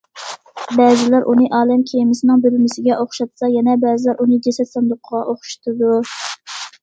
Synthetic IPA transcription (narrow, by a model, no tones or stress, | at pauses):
bɛːzɪlæɾʔunɨʔɑːlɛmkʲʰejmɪsɪnɪŋbelɪmɪsɪɡʲɛʔoχʃɑt̪sɑjɛnɛbɛːzɪlæɾʔunɨd͡ʒesɛt̪sɛnd̪ˠʊqʰːəʁɑʔoχʊ̥ʃt̪ʰɨd̪u